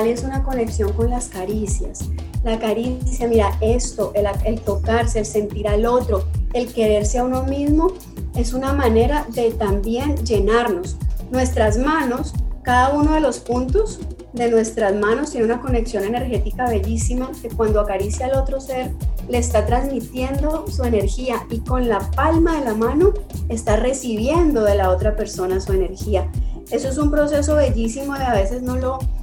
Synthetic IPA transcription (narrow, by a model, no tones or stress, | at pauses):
le̞sunako̞ne̞ksjo̞ŋko̞nlaskaɾisjaslakaɾisjamiɾae̞st̪o̞ʔelaelt̪o̞kaɾse̞ːlse̞nt̪iɾalo̞t̪ɾo̞e̞lke̞ɾe̞ɾseauno̞mizmo̞ | e̞sunamane̞ɾaðe̞t̪ambje̞nd͡ʒe̞naɾno̞snwe̞st̪ɾazmano̞skaðauno̞ðe̞lo̞spunt̪o̞z | d̪e̞nwe̞st̪ɾazmãno̞st̪je̞neunako̞ne̞ksjo̞ne̞ne̞ɾxe̞t̪ikaβe̞ʝisimake̞kwãnd̪oakaɾisjaːlo̞t̪ɾo̞se̞ɾle̞ːst̪at̪ɾanzmit̪je̞nd̪o̞sue̞ne̞ɾxiaiko̞nlapalmaðe̞lamano̞e̞st̪are̞siβ̞je̞nd̪o̞ðe̞lao̞t̪ɾape̞ɾso̞nasue̞ne̞ɾxiae̞soe̞s̬umpɾo̞se̞so̞βe̞ʝisimo̞ðeaβe̞se̞zno̞lo̞